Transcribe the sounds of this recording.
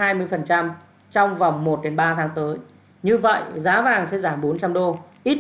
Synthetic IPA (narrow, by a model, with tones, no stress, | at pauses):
haː˧jmɨ˧əjfə˨˩nt͡ɕa˧m | t͡ɕɔ˧wŋ͡mva˨˩wŋ͡mmo˨˩t̚ɗe˨˦nɓaː˧t̪ʰaː˨˦ŋt̪əː˨˦j | ɲɨ˧və̰˧˨jzaː˨˦vaː˨˩ŋsɛ̰˧˥zaː˧˩mɓo˨˦nt͡ɕa˧mɗo˧ʔi˦˥t̚